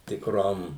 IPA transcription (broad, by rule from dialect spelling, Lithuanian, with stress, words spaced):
tʲɪkˈroːm